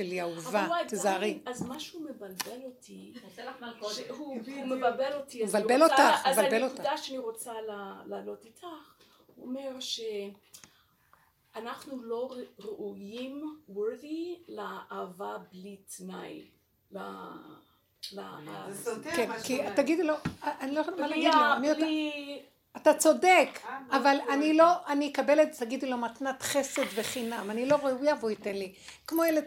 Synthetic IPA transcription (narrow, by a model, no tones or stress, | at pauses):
ʃeliauvaajdtezaʁiazmaʃeumebalbelotʰi | ʃeɦuhumebalbelo̞tiabalbelotazvalbelotkudaʃeaniʁo̞t͡salalaːlo̞titʰaχ | huo̰me̞ʁʃe | anaχnulo̞ʁʁeʔujimwɛʁðileaʔavablitnaj | la | la | kenkit̪aɡid̪uloʔanilojemalaɡid̪lmiol | at̪at͡so̞dekavalanilo̞ʔanikabelet̪taɡid̪ulo̞mat̪nat̪χese̞d̪veχinamanilo̞ʁeujavoit̪enli | kmoeled̪